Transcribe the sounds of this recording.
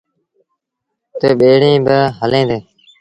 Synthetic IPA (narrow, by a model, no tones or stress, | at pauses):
t̪eːɓeːɽĩːbəɦəlẽːd̪eː